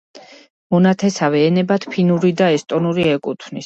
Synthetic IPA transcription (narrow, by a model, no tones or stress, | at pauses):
mɔnat̪ʰɛsavɛːnɛbat̪pʰinuɾid̪aɛst̪ʼɔnuɾiɛkʼut̪ʰwnis